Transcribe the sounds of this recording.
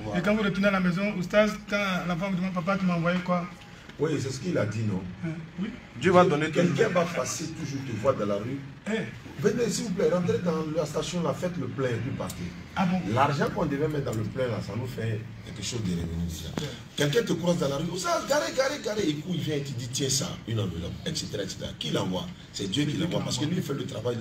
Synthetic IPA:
ekãfoɾetinalamɛzɔ̃ostazkãlafãdmãp̬ap̬atumãvajekwa | ojes̬ɛse̥kəiladinɔ̃wi | døbadɔ̃nekɛlkɛ̃bafasetuʒuɾtevwadãlaɾye | ubɛdẽsiup̬lɛ̃ɾãt̪̬ɾedãlastasjɔ̃lafɛtløplɛ̃ẽpipa̰ɾkḛ | laɾʒãkɔ̃devɛ̃mɛ̃dãləplɛ̃lasãnufɛ | kɛlkɛʃozdeɾḛvḛnideʒa̰ | kɛlkɛ̃tekuɾas̬dãlaɾyosaɡaɾeɡaɾeɡaɾeekuivjɛ̃etiditjɛ̃sã̰ỹnãvḛlɔ̰bɛkseteɾaɛkse̥t̪ḛɾa̰kilãbwa̰ | sɛdøkilãɡwapaɾsə̥kəlifɛløt̪ɾavaj

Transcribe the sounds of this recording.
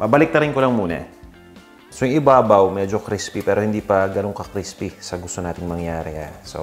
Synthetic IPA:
pɐbɐlɪk̚t̪ɐɾɪnkolɐŋmuːnɐ̰ | sojʊŋɪbaːbɐwmɛːd͡ʒokɾispipɛːɾo̞hɪnd̪iːpɐɡɐnoŋkɐkɾispisɐɡʊst̪o̞naːt̪ɪŋmɐŋjaːɾɛha̰so̰

